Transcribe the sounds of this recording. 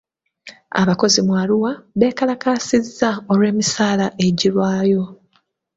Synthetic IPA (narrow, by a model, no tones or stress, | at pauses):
a̰βako̞zimwaːluwaβe̞ːkalakaːsizːao̞lwe̞ːmisaːlaʔe̞ɟilwaːjo̞